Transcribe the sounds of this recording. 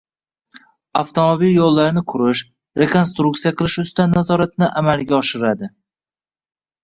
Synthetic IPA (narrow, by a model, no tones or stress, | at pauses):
aft̪ʰomobiljolˠːaɾnɪkʰʊɾɪʃ | ɾe̞kʰo̞nst̪ɾukt̪ijaqʰɨlˠɪʃʊst̪anːazɒɾat̪̚nɪʔamalɡʲaɒʃɪɾad̪ɪ